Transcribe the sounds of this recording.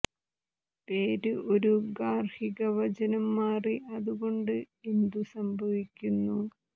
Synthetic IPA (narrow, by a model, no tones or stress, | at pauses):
pe̞ːɾɨʔo̞ɾuɡaːrhiɣɐʋɐd͡ʑɐnɐmːaːriʔɐðuɣo̞ɳɖɨ | e̞nd̪usɐmbʱɐʋikʲːunːu